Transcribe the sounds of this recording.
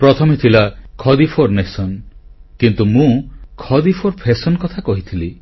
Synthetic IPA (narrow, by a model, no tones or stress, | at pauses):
pɾɔt̪ʰɔmet̪ʰilakʰɔd̪ipʰoɾnesɔnkint̪umũkʰɔd̪ipʰoɾpʰesɔnkɔt̪ʰakɔɦit̪ʰili